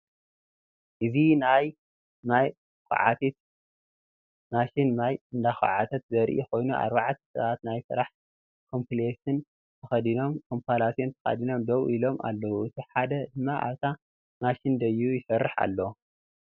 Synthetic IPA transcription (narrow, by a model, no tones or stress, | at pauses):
ʔɨzinaj | maj | kṵʕa̰t̪ʰit̪ | maʃinnajɨnd̪axɐ̰ʕat̪ʰɐt̪̚zɐɾʔixo̞jnuʔa̰ɾβaʕt̪ʰɐ̥sɐ̰βat̪najsɨ̰ɾaħ | kʰo̞mpʰilet̪ɨn | t̪ʰɐxɐd̪ino̞mkʰo̞mpalasjont̪ʰɐ̥xɐ̰d̪ino̞md̪ɐwʔilo̞ma̰lːɐwuɨt̪ʰiħad̪ɐd̪ɨmːaʔa̰βt̪ʰa | maʃind̪ɐjujɪsɐɾːɨħa̰lːɐw